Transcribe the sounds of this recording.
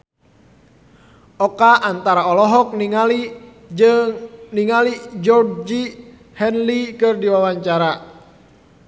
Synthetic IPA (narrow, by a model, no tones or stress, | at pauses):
ʔɔkaʔant̪aɾaɔlɔɦɔk̚niŋali | ŋniŋalid͡ʒɔrd͡ʒi | hɛnlikɨrdiwawaɲt͡ʃaɾa